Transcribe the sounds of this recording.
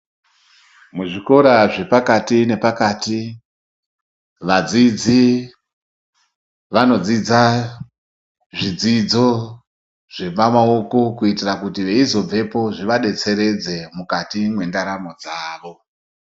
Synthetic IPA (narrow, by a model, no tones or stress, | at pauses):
muʐiko̞ɾaʐe̞pakatine̞pakati | ʋad͡zid͡zi | ʋano̞d͡zid͡za | ʐid͡zid͡zo̞ | ʐ̥e̞pamao̞ko̞kuitirakutiʋe̞izo̞b͡ve̞po̞ʐiʋaɗe̞t͡se̞ɾe̞d͡ze̞mukatimwe̞ndaɾamo̞d͡zaːʋo̞